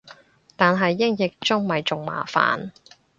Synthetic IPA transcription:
t̪aː˨nɦɐ˨jːɪ˥ŋjɪ˨k̚t͡sʊ˥ŋmɐ˨jt͡sʊ˨ŋma̰ː˨˩fa̰ː˨n

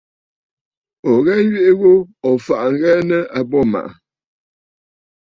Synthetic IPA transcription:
ɔ˨ɣɛ˦ŋ˦ɥe˦ʔe˦ɣo˦ɔ˨fa˨ʔŋ˦ɡɛ˦nə˦a˨bɔ˦˨ma̰˨ʔa˨

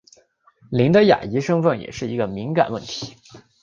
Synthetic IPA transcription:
li˧˥nd̪ə˧ja̰˨˩i˧˥ʂɤ˥ŋfə˥˩nŋjɛ̰˨˩ʂɻ̩˥˩i˧˥ɡə˧mi˧˥ŋka̰˨˩nwə˥˩nt̪ʰi̥˧˥

